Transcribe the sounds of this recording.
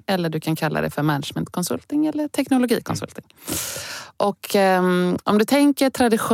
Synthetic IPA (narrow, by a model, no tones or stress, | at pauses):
ɛlːəɖɵkʰankʰalːa̰d̪ɛ̰fœɾmɛnəʂmɛnt̪kʰɔnsɵ̰lt̪ɪŋɛlːəʈʰɛknʊlʊɡiːkʰɔnsɵ̰lt̪nɪŋ | ʔɔkʰ | ʔɔmd̪ɵt̪ʰɛŋkəʈ̪ʰɾad̪ɪɧʊ